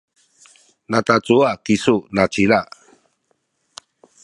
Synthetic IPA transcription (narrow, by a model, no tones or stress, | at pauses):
natat͡suakisunat͡ʃila